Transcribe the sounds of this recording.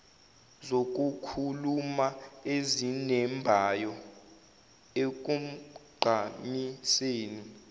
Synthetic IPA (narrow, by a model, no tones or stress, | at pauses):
zok̬ʼukʰulumaezinɛmbʱajɔ | ek̬um̩ɡ͡ǃʱamiseːni